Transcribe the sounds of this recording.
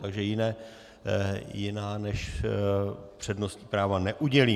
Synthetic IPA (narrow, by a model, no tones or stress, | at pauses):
t̪aɡʒɛjɪnɛː | jɪnaːnɛʃ | pr̝̥ɛdno̞st̪ɲipɾaːvanɛʔuɟɛliː